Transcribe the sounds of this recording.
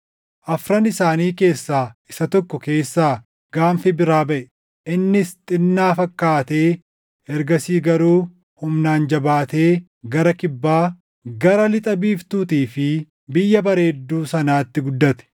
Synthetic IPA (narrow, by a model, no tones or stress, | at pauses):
ʔɐfɾɐnɪsaːniːke̞ːsːaːɪsɐt̪ɔkːɔke̞ːsːaː | ɡ̥aːnfɪbɪɾaːbɐʔɛ | ʔɪnːɪst̪ʼɪnːaːfɐkːaːt̪e̞ː | ɛɾɡɐsiːɡɐɾuː | hʊmnaːnd͡ʒɐbaːt̪eː | ɡɐɾɐkɪbːaː | ɡɐɾɐlɪt̪ʼɐbiːft̪uːt̪iːfɪ | bɪjːɐbɐɾe̞ːd̪ːuːsɐnaːt̪ːɪɡʊd̪ːɐt̪ɛ̥